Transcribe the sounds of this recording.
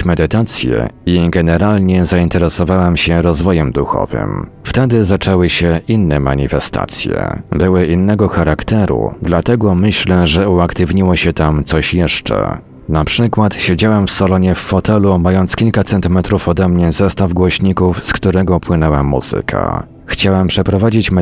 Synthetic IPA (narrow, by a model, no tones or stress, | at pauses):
mɛd̪ɘt̪at̪sʲjɛ̰iɡɛnɛɾalɲɛzaint̪ɛɾɛsɔvawɛmɕɛɾɔzvɔjɛmd̪uxɔ̰vɘ̰m | ft̪ɛd̪ɘzat͡ʂɛwɘɕɛʔinːɛma̰ɲḭfɛst̪a̰t̪sʲjɛ̰bɘwɘinːɛɡɔxaɾakt̪ɛɾṵd̪lat̪ɛɡɔmɘɕlɛʐɛuakt̪ɘvɲiwɔɕɛt̪amt̪sɔɕjɛʂt͡ʂɛ̰ | napʂɘkwat̪ɕed͡ʑawɛmfsalɔɲɛfːɔt̪ɛlumajɔnt̪skʲilkat̪sɛnt̪ɘmɛt̪ɾufɔd̪ɛmɲɛzɛst̪avɡwɔɕɲikufskt̪uɾɛɡɔpwɘnɛwamːṵz̥ɘ̰kʰa̰ | xt͡ɕawɛmpʂɛpɾɔvad͡ʑit͡ɕmɛ